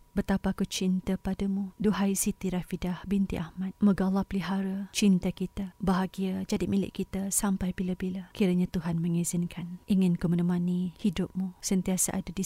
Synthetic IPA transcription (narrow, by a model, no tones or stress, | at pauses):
bət̪apakut͡ʃint̪apadamuduɦajsit̪iɾafidahbint̪ḭʔahmat̪̚məɡalːahpəliɦaɾat͡ʃint̪akit̪abaɦaɡiad͡ʒadimilɪ̰ʔkːit̪asampajbilabilakiɾaɲãt̪uɦanmə̃ŋizɪnkʰanʔiŋɪnkəmunumanihidʊp̚musənt̪iasa̰ʔa̰dadi